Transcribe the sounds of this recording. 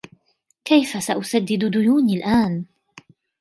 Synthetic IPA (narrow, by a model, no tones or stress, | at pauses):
kajfasaʔʊsad̪ːɪd̪d̪ʊjuːniːlʔaːn